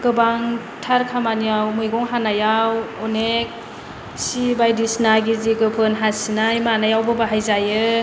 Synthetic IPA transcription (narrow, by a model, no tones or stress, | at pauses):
ɡ̥ɯbaŋ | tʰaɾkʰamanijawmɯjɡɔŋɦanajawɔnek̚ | sibajdisnaɡiziɡɯpʰɯnɦasinajmanajawbɯbaɦajzajɯ